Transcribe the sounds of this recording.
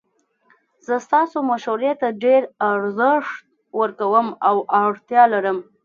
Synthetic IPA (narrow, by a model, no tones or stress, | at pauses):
z̥əst̪ɑsomaʃaɾet̪aɖeɾaɾzəʂt̪̚ | wəɾkawəmawaɽt̪jɑlaɾəm